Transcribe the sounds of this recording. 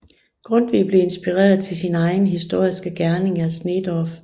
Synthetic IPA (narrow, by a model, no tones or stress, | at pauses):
ɡ̥ʁɔ̽n̰d̥ʋḭb̥le̝e̝nsb̥iʁɛ̰ːɐðˠt͡sʰe̝lsinɑ̈ɪn̩ɦisd̥o̝ɐ̰isɡ̥əɡ̥æɐne̝ŋæsned̥ɒf